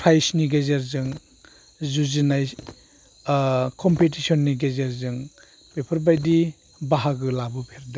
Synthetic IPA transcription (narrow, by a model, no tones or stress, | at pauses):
pʰɾajsniɡezeɾzɯŋ | zuzinaj | kʰɔmpetisɔnːiɡezeɾzɯŋ | pepʰɔɾbajdi | baɦaɡɯlabɯpʰeɾda